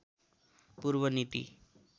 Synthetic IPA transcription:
puɾbʌnit̪ḭ

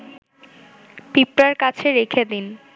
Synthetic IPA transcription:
pipɾaɾkat͡ɕʰeɾekʰed̪in

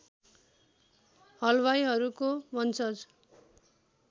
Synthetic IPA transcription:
hʌlwajɦʌɾukomʌnt͡sʌd͡z

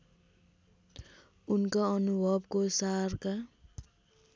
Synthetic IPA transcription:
unkaʌnubʱʌbkosarka

